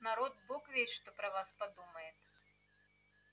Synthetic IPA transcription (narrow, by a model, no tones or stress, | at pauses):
naɾɔd̪̚bɔkvʲɛʂt̪ɔpɾɐvaspad̪umɐjɛt̪